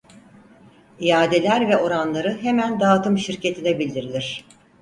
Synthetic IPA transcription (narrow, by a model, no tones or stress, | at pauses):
ijaːd̪e̞lʲæɾvɛʔo̞ɾanlˠaɾɯɦemænd̪aːt̪ɯmʃiɾce̞t̪ʰinɛbilʲd̪iɾilʲiɾ̝̥